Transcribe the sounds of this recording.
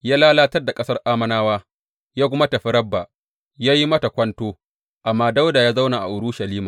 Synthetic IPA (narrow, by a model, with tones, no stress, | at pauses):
jaː˦laː˦laː˦tɐ˦rda˨kʼɐ˦sɐ˦rʔaː˦mɐ˦naː˦waː˦ | jaː˦kʷʊ˦mɐ˦tɐ˨ɸi˦ɾɐ˦bːa˨ | jaː˦ji˦mɐ˦tɐ˨kʷɐ˦ntoː˦ | ʔa˨mːaː˦da˦wdaː˨jaː˦za˦wna˨ʔa̰˨ʔʊ˨ɽʊ˦ʃɐ˨liː˦maː˨